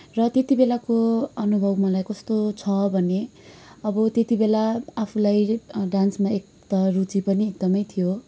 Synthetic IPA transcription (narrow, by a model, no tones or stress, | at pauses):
rʌt̪et̪ibelakoʌnubʱʌbmʌlajkʌst̪ot͡sʰʌbʱʌneʌbʌt̪et̪ibelaːpʰulajɖansmaek̚ | t̪arut͡sipʌniek̚d̪ʌmʌjt̪ʰijo